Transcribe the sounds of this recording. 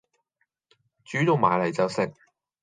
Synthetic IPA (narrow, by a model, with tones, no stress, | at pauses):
t͡ʃyː˨˥t̪o˨˧wma̰ː˨jlɐ˨˩jt͡sɐ˨˧wsɪ˨k̚